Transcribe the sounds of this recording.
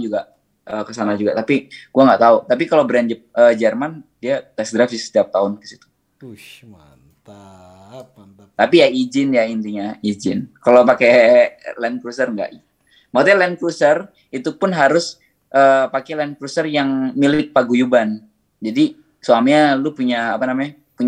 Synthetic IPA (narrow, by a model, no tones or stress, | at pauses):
d͡ʒuɡa | ʔəkəsanad͡ʒuɡaʔt̪apiɡ̥uaŋɡaʔt̪aut̪ap̬ikalobɾand͡ʒəp̚əːd͡ʒərmandiaŋaʔsəɡɾafsɪsə̥t̪iap̚t̪aʊnkə̥sit̪u̥ | t̪ | t̪apijaid͡ʒɪnjaint̪iɲaid͡ʒɪnkalopakelɛnkɾusərŋɡa̰ʔi | maut̪alɛnkɾusər | it̪upʊnɦaɾʊs | ʔəːpakɛlɛnkɾusərjaŋmilɪk̚paɡujuban | d͡ʒadi | suamɲalʊpuɲaːpanamaa | puɲ